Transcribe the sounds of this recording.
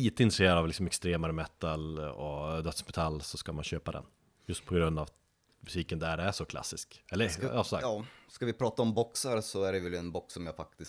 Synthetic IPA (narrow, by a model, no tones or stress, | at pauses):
iːt̪əɪnt̪ɾəseːɾad̪avlɪksɔmɛkst̪ɾeːmaɾəmɛt̪ːalɔd̪œt̪smɛt̪ʰalːsɔskamanɕøːpad̪ɛ̰n | jɵst̪̚pʰɔɡɾɵnd̪av | mɵsiːkənd̪æɖɛæʂɔkʰla̰sːɪskɛlːəɑːsɔsa̰ɑːskavɪpʰɾɑːt̪aɔmbɔksaɾsɔæɖɛvɛlɛnbɔksɔmjaːfak̚t̪ɪs